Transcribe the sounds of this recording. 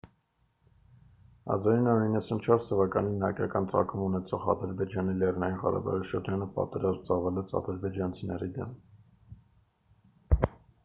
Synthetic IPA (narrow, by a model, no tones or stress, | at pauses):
hɑ̰zɑɾinːɑɾuɾinːəsunt͡ʃʰɔɾst̪ʰəvɑkɑninːɑɾkjɑ̰kɑnt͡sɑ̰kʰumunɛt͡sʰɔʁɑ̰d̪əɾbɛd͡ʒɑnilɛrnɑjinʁɑ̰ɾɑ̰bɑ̰ʁiʃəɾd͡ʒɑnəpɑ̰t̪ɛɾɑzmt͡sɑvɑlɛt͡sʰɑ̰d̪əɾbɛd͡ʒɑnt͡sʰinɛɾid̪ɛ̰m